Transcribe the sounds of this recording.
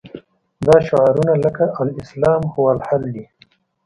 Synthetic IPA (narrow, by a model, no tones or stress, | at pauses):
d̪ɑʃʊʕaɾunaləkaʔawɪslɑːmxʊwalhald̪i